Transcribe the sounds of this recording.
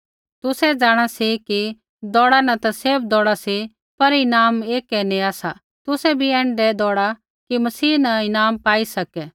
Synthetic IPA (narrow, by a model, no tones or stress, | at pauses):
t̪ʊsɛd͡zaːɽ̃asiki | d̪ɔːɽanɐt̪ɐseːb̚d̪ɔːɽasi | pɐɾɪnaːmeːkɛniaːsa | t̪ʊsɛbʱiɛ̃ːɳɖɛd̪ɔːɽa | kimɐsiːnɐɪnaːmpaːisɐkɛ